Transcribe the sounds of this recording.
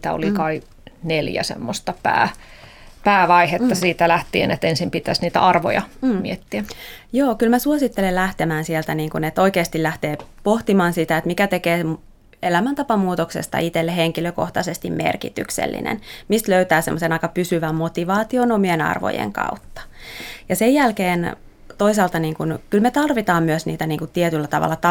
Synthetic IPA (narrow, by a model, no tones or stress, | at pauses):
t̪æ̰o̰likɑi | neljæ̰sḛmːost̪ɑpæ̰ː | pæːʋɑihet̪ːɑsiːt̪ælæht̪iḛnet̪ensimpit̪æsniːt̪æ̰ʔɑrʋo̰jɑ̰miet̪ːiæjoːkylmæsuosit̪ːelelæht̪emæːnsielt̪æniːŋkunet̪oikeːst̪ilæht̪eːpoht̪imɑːnsit̪æet̪mikæt̪ekeːm | elæmænt̪ɑpɑmuːt̪oksḛst̪ɑ̰it̪elːeheŋkiløko̰ht̪ɑsest̪immḛrkḭt̪y̰ksḛlːḭnḛnmist̪løyt̪æːsḛmːosenɑikɑpysyʋæmmot̪iʋɑːt̪ionomienɑ̰rʋo̰jḛŋkɑ̰ut̪ːɑ̥jɑsejælkeːn | t̪oisɑːlt̪ɑniːŋkunkylmet̪ɑrʋit̪ɑːmmyøsnḭːt̪æniːŋkut̪iet̪ylːæt̪ɑʋɑ̰lːɑt̪ɑ